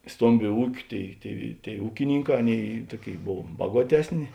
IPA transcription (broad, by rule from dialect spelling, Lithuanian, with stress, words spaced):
ˈstoːmʲbʲʊ ˈuːkʲʊ ˈtʲeːɪ tʲeːɪ tʲeːɪ ˈuːkʲɪnʲɪŋˌkɑː ˈɑːˌnʲeːɪ ˈtuɔˌkʲeːɪ ˈboːw ˈbɑːɡuɔtʲɛsʲˌnʲɪ